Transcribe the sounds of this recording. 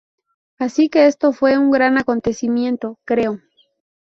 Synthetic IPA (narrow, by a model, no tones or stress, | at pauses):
asike̞est̪o̞fwe̞uŋɡɾanako̞nt̪e̞simje̞nt̪o̞kɾe̞o